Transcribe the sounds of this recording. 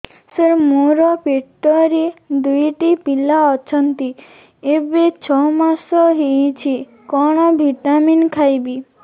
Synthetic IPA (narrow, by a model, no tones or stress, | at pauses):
səɾmuɾɔpeʈːɔɾid̪ujʈipilaɔt͡ʃʰɔnt̪i | ebet͡ʃʰɔmasɔɦijt͡ʃʰi | kɔɽ̃ɔbʱiʈaminkʰajbi